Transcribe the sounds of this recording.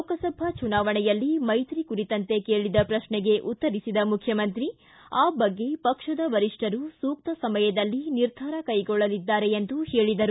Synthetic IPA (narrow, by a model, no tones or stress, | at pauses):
okɐsɐbʱɐt͡ʃunaːʋɐɳɛjɐlːimɐjt̪ɾikuɾit̪ɐnt̪e̞keːɭid̪ɐpɾɐʃɳɛɡe̞ʔut̪ːɐɾisid̪ɐmukʰjɐmɐnt̪ɾi | aːbɐɡːe̞pɐkʂɐd̪ɐʋɐɾiʂʈɐɾusuːk̚t̪ɐsɐmɐjɐd̪ɐlːiniɾd̪ʱaːɾɐkɐjɡɔɭːɐlid̪ːaːɾe̞end̪uhe̞ːɭid̪ɐɾu